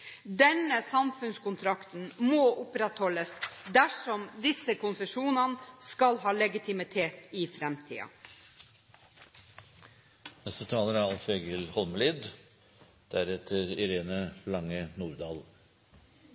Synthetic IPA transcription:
d̪ɛnəsɑmfʉnskʊnt̪ʰɾɑkt̪n̩moːʔʊpɾɛt̪hɔləsd̪æʂɔmd̪ɪsːəkʰʊnsəʂuːnɑnskɑlɦɑːlɛɡɪt̪ʰɪmɪt̪ʰeːt̪ɪːfɾɛmt̪ʰḭːɑ̰ | nɛst̪ət̪ʰɑːləɾæɾɑlfeɡəlhɔlməliːd̪ | d̪̥æɾɛt̪ʰəɾɪɾeːnəlɑŋːənuːɾd̪ɑːl

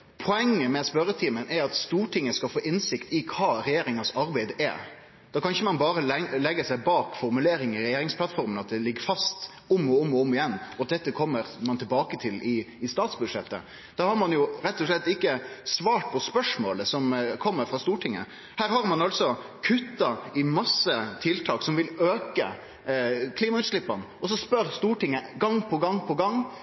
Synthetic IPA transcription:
pʰɔɛŋːəmɛspœɾət̪ʰiːmənɛɾɑt̪st̪uːʈʰɪŋːəskɑlfoːʔɪnsɪkt̪ɪkʰɑːɾɛjeːɾɪŋɑsɑɾbæɪd̪ɛ̰ | d̪̥ɑːkʰɑnɪçəmɑnbɑːɾəlɛlɛɡːəsæɪbɑːkfɔɾmʉleːɾɪŋɪɾɛjeːɾɪŋspʰlɑt̪fɔɾmənɑt̪̚d̪ɛlɪɡːəfɑst̪ | ʊmɔʊmːɔʊmːɪjɛnːɔɑt̪̚d̪ɛt̪ːəkʰɔmːəɾmɑnt̪ʰɪlbɑːkət̪ʰɪlɪɪst̪ɑːt̪sbʉd̪ʂɛt̪ːə̰ | d̪̥ɑhɑɾmɑnjʊɾɛt̪ːɔʂlɛt̪ːɪkːəsʋɑːʈ̚pʰɔspœʂmo̰ːləsɔmkʰɔmːəɾfɾɑst̪uːʈʰɪŋːə̰ | hæːɾhɑɾmɑnɑlt̪sɔkʰʉt̪ːɑɪmɑsːət̪ʰɪlt̪ʰɑːksɔmʋɪløːkə̰ | kʰliːmɑʉːt̪ʂlɪpːɑn | ɔs̬ɔspœɾst̪uːʈɪŋːəɡɑŋːpʰɔɡɑŋpʰɔɡɑŋː

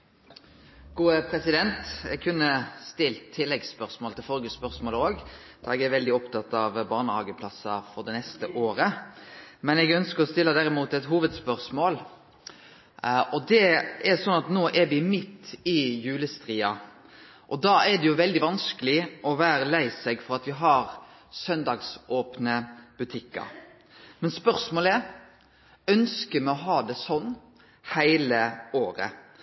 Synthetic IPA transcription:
ɡ̥uːəpʰɾɛsɪd̪ɛnt̪ɛ̰ɡ̚kʰʉnːəst̪ɪlt̪ʰːɪlːɛɡspœʁsmoːlt̪ʰɪlfɔlɡəspœʁsmoːləoːɡd̪̥ɑɾɛɡæɾʋɛld̪ɪɔpt̪ʰɑt̪ːɑʋbɑːʁnəɑːɡəpʰlɑsɑfɔʁd̪ɛnɛst̪əʔoːɾə | mɛnɛɡœnskəɾɔst̪ɪlːəd̪æɾɪmuːt̪ɛt̪ɦuːʋəd̪spœʁsmoːl | ʔɔd̪ɛʔɛɾsɔnːɑt̪noːʔɛɾʋɪmɪt̪ːɪjʉːləst̪ɾiːɑ | ʔɔd̪ɑːɛd̪ɛjʊʋɛld̪ɪʋɑnskəlɪʔɔʋæːɾəlæɪsɛɡfɔɾɑt̪ʋɪɦɑɾsœnd̪ɑːɡsʔoːpnəb̥ʉt̪ʰɪkːə̰ɾ | mɛnspœɾsmoːlɛɾ | œnskəmɛɔɦɑːd̪ɛsɔnː | hæɪləoːɾə̰

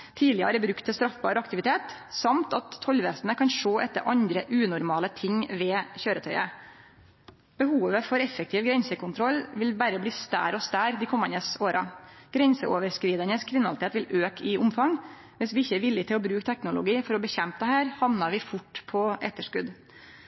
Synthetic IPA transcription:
t̪ʰiːlɪəəɾɛbɾʉkt̪ʰːɛst̪ɾɑfbɑ̰ːɾəɑkt̪ɪʋɪt̪ʰeːt̪sɑmt̪ɑt̪ʰːɔlʋeːsənəkɑnʂoːʔɛt̪ːəɾʔɑnd̪ɾəʔʉːnʊɾmɑːlət̪ʰɪŋʋɛːçøːɾət̪ʰœʏə̰ | b̥əhuːʋəfɔɾɛfːɛk̚t̪ʰɪːʋɡɾɛnsəkʊnt̪ʰɾɔlːʋɪlbæːɾəbliːst̪æ̰ːɾɔst̪æːɾd̪ɪkʰɔmːənəsoːɾʔɑɡ̥ɾɛnsəʔoːʋəɾskɾiːd̪ənəskʰʋɪnɑlɪt̪ʰeːt̪ʋɪløːkʰɪʊmfɑŋ | ʋɪsʋɪɪçːəɛɾʋɪljət̪ʰɪlɔbɾʉːkt̪ʰɛknʊlʊ̰ɡiːfɔɾɔbəçɛmpəd̪ɛhæːɾhɑʋnɑɾʋɪfʊʈːpʰɔʔɛ̰t̪ːəʂkʉd̪

